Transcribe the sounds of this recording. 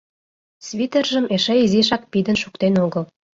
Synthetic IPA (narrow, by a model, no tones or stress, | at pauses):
sβʲit̪erʒə̆meʃeiziʃɑk̚pid̪ə̆nʃukt̪enoɣəl